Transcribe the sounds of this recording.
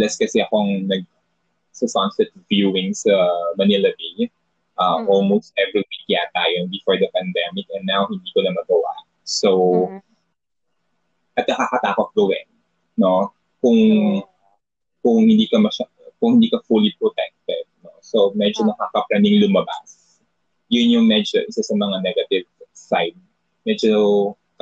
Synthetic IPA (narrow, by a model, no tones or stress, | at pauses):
lɛskɐsɛʔɐkoɐŋnɐɡ̚ | sɐsansɛt̪vjuɪŋsɐmɐnɪlɐb̪ij | ʔɐʔolmost̪̚ʔɛvɹiwikːjat̪aːjobɪfoɹd̪ɐpɐnd̪ɛmɪk̚ɛnːawhɪ̃nd̪iːkonɐmɐɡɐwa̰ʔ | sow | ʔɐt̪̚nɐkaːkɐt̪aːkot̪̚ɡɐwɛnː | o̞ | kʊŋ | kʊŋhɪnd̪iːkɐmɐʃa | kʊŋhɪnd̪iːkɐfulipɹɔt̪ɛk̚t̪ɛd̪̚nosomɛd͡ʒonɐkaːkɐpɾɛmɪŋlʊmɐba̰s | jʊnjʊŋmɛd͡ʒo̰ʔɪsasɐmɐŋanɛɡɐt̪ɪvsaɪd̪̚ | mɛd͡ʒo